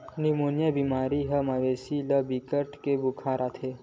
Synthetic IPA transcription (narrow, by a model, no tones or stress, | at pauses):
nimonjəbimaːɾiɦəmaʋesiləbikəʈkebukʰaɾat̪ʰe